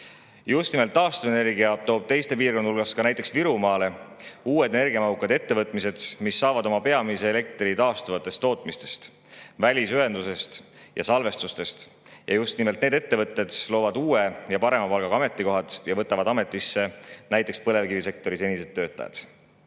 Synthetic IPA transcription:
just̪nimelt̪ːˑɑːst̪uvene̞rɡiɑt̪oːb̥̚t̪e̞jst̪e̞p̬iːrko̞nulɡ̥ɑskɑnæjt̪ːˑe̞ksviɾumɑːle̞uːwe̞d̪̥ene̞rɡiɑmɑɦukːˑɑd̪̥e̞t̪ːe̞vɤt̪ːˑmise̞d̪̥misːɑːvɑd̪o̞mɑpe̞ɑmise̞ːle̞k̚t̪rit̪ɑːst̪uvɑt̪ːˑe̞st̪ːˑo̞ːt̪ˑmist̪e̞̥st̪ | vælʲisye̞nd̪use̞st̪ | jɑsɑlve̞st̪ust̪e̞st̪ | jɑ̰just̪nime̞lt̪ne̞ːd̪e̞t̪ːe̞vɤt̪ːˑe̞d̪̥lo̞ːvɑd̪uːejɑpɑɾe̞mɑpɑlɡ̥ɑɡɑɑme̞t̪ˑːiko̞ɦɑt̪jɑvɤt̪ːˑɑvɑd̪ɑme̞t̪ˑːisːe̞næjt̪ˑːekspɤle̞vkivise̞k̚t̪o̞ɾise̞nʲise̞t̪ːø̞ːt̪ːˑɑ̰jɑ̰d̪̥

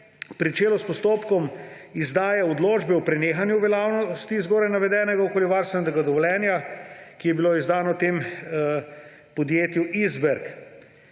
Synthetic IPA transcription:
pɾit͡ʃeːlɔspɔst̪oːpkɔmizd̪aːjaɔd̪loːd͡ʒbɛwpɾɛneːxanjuʋɛlaːwnɔst̪izɡoːɾajnaʋɛd̪ɛːnɛɡaokoːliʋaɾst̪ʋɛnɛɛɡad̪ɔʋɔljɛːnjakijɛbiloizd̪aːnɔt̪eːm | pɔd̪jeːt̪juʔizbɛɾk

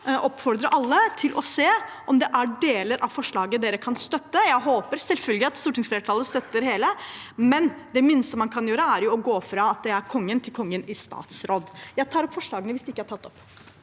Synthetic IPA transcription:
ʔɔpfɔɾd̪ɾəʔɑlːət̪ʰɪlʔɔseːʔɔmd̪ɛʔæɖeːləɾʔɑʋfɔʂɭɑːɡəd̪eːɾəkʰɑnst̪œt̪ːəjæɪɦoːpəɾsɛlfœlɡlɪɑt̪st̪uːʈɪŋsfleːɾəʈʰɑlːəst̪œt̪ːəɾheːləmɛnd̪ɛmɪnst̪əmɑnkʰɑnjøːɾəæɾjʊɔɡoːfɾɑɑt̪̚d̪ɛæɾkʰɔŋːənt̪ʰɪlkʰɔŋːənɪst̪ɑ̰ːt̪sɾoːd̪jæɪt̪ʰɑːɾɔpːfɔʂɭɑːɡənəʋɪsd̪ɪɪkːəhæʈʰɑt̪ːɔpː

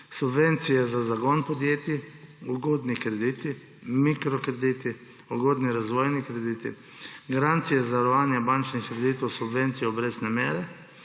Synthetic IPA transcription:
subʋent̪sijɛzazaɡonpɔd̪jeːt̪iuɡod̪nikɾed̪iːt̪i | mikɾɔkɾed̪it̪i | uɡod̪niɾazʋojnikɾed̪iːt̪ḭ | ɡaɾant̪sijɛzaɾɔʋaːnjɛbant͡ʃnixɾed̪it̪wsubʋent̪sijɛɔbɾeznɛmeːɾɛ

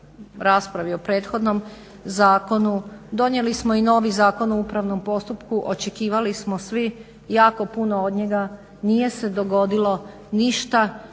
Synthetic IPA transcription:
ɾaːspɾaʋio̞pɾe̞ːt̪xo̞d̪no̞m | zaːko̞nud̪o̞nje̞lismo̞ino̞ːʋizaːko̞nuuːpɾaʋno̞mpo̞st̪upkuʔot͡ʃe̞kiːʋalismo̞sʋi | jaːko̞punood̪ɲe̞ɡa | nije̞se̞d̪o̞ɡo̞d̪ilo̞ | niʃt̪a

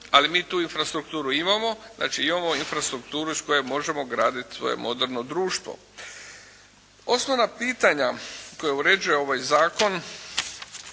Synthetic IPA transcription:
alimiːt̪uːinfɾast̪ɾukt̪uːɾuimamo̞znʔa̰ːt͡ʃiimamo̞infɾast̪ɾukt̪uːɾuisko̞jemo̞ʒe̞mo̞ɡɾaːd̪it̪sʋo̞̰jḛmʔo̞̰d̪eɾno̞d̪ɾuːʃt̪vʋo̰ | o̞snoʋnapiːt̪aɲako̞jeuɾe̞d͡ʒuje̞o̞ʋajzaːko̞n

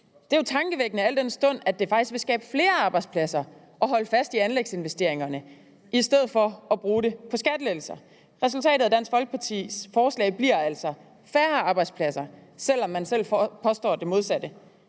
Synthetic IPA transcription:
d̥e̝ot͡sʰɑ̈ŋɡ̥əʋeɡ̥nəæl̰d̥ensd̥ɔ̽n̰æd̥e̝fɑ̈ɡ̥isɡ̥̚ʋe̝sɡ̥ɛːb̥əfle̝ːɐɑ̈ːb̥ɑ̈ɪd̥spʰlæsɐ | ʔɒ̽ɦɒ̽ləfæsd̥iænleɡ̥se̝nʋesd̥e̝ɐ̰e̝ŋɐnə | ʔisd̥eð̞̰̩ˠfɒ̽ɒ̽b̥ʁuːɾe̝pʰɒ̽sɡ̥æd̥əlel̩sɐ | ʁɛsult͡sʰɛ̰ːd̥ðˠæd̥æn̰sɡ̥fɒ̽lɡ̥əpʰɑ̈t͡sʰḭːfɒːslɛ̰ɪb̥liɐ̰æl̰sɒ̽ | fæːɐɑ̈ːb̥ɑ̈ɪd̥spʰlæsɐsel̰ɒ̽mːænsel̰pʰɒ̽sd̥ɒ̰ːd̥e̝mo̝ð̞ˠsæd̥ə

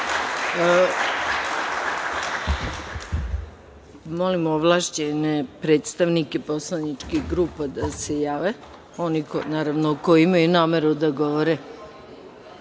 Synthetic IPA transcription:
mo̞limoʋlˠaːʃt͡ɕenepɾeːt̪st̪aʋnike̞poslˠanit͡ʂkiɡɾuːpad̪ase̞jaːʋe | o̞nikonaːɾaʋnokojimajunaːmeɾud̪aɡo̞ʋoɾe

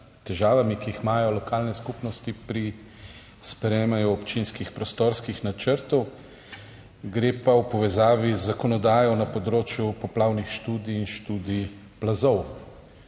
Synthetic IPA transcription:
t̪ɛʒaːʋamikiixmaːjɔlɔkaːlnɛskupnɔst̪ipɾi | spɾɛjeːmajɔɔpt͡ʃinskixpɾɔst̪oːɾskixnat͡ʃəɾt̪ɔw | ɡɾeːpawpɔʋɛzaːʋizːakɔnɔd̪aːjɔnapɔd̪ɾoːt͡ʃjupɔplaːwnixʃt̪uːd̪iːnʃt̪uːd̪i | plazɔw

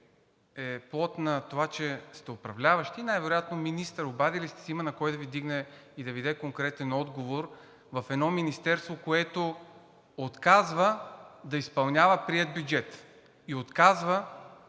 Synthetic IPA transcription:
ɛplˠɔt̪nɐt̪ovat͡ʃɛst̪ɛopɾɐvlʲavəʃt̪iːnajvɛɾojat̪nominist̪əɾobad̪ilist̪ɛ̥sɛimənɐkɔjd̪ɐvid̪iɡnɛid̪ɐvid̪ɛkoŋkɾɛt̪ɛnɔd̪ɡovoɾ | vɐfɛd̪nɔminist̪ɛɾst̪vokoɛt̪o | ot̪kazvəd̪ɐispɐlˠnʲavəpɾiɛd̪̚bʲjud͡ʒɛt̪ | iot̪kazvə

